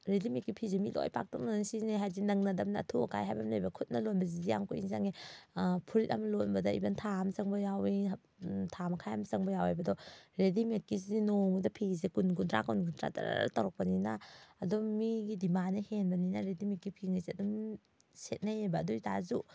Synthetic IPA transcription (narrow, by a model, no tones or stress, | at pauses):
ɾedimikːipʰizemḭlo̰jpʰa̰k̚tɔk̚nansiniɦajdinɐŋnɐdɐmnɐ̰ːtʰuɔ̰ka̰jɦajbɐmlajbɐkʰut̚nɐlonbɐzidija̰ŋkʰuḭŋzaŋe | pʰuɾit̚amɐlonbɐdɐḭbɐntʰamsɐŋbɐjawi | tʰamɐkʰajamsɐŋbɐjawajbɐdɔɾedimet̚kːiz̬idinoŋudɐpʰizekunkuntɾa̰kunɡuntɾa̰ta̰ɾ̰tɐwɾɐk̚pɐninaɐdɔmiɡidimanːɐhenbɐninaɾedimikːipʰiŋɐjzeɐdum | set̚najajbɐːduitazu